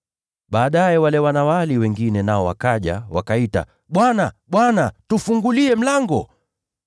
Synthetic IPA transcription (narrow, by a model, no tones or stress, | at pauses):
ɓaːɗajɛwalɛwanawaliwɛŋɡinɛnaɔwa̰kaʄa̰wakaita̰ | ɓwana | ɓwanatufuŋɡuliɛm̩laŋɡɔ